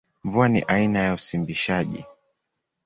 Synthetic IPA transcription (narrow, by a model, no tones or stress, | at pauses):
mvuanḭʔainajausimbiʃaʄḭ